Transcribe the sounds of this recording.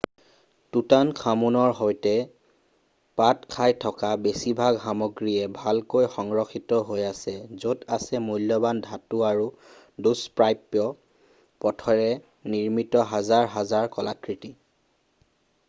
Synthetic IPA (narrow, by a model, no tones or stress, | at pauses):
tutankʰamunɔɹɦɔjtɛ | patkʰajtʰɔkabesibʱaɡɦamɔɡɹiɛbʱalkojxɔŋɹɔxitɔɦojasɛzotasɛmujlːɔbandʱatuaɹu | duspɹajpjɔ | pɔtʰɔɹɛ | niɹmitɔɦazaɹɦazaɹkɔlakɹiti